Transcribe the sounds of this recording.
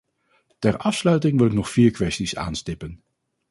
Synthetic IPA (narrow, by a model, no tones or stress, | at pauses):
tɛɹɑfslœɥtɪŋʋɪlɪknɔχfiːɹkʋɛstisa̰ːnstɪpən